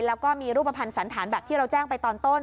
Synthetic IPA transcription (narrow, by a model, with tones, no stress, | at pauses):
lɛː˦˥wkɔː˥˩miː˧ɾuː˥˩pɾa˧pʰa˧nsa˩˦nt̪ʰaː˩˦nbɛː˨˩p̚t̪ʰiː˥˩ɾa˧wt͡ɕaː˥˩ŋpa˧jt̪ɔː˧nt̪o˥˩n